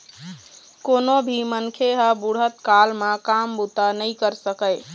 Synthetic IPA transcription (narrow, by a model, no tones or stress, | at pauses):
konobʱimənkʰeɦəbuɽ̤ət̪kalmãkambut̪anəɪkəɾsəkəɪ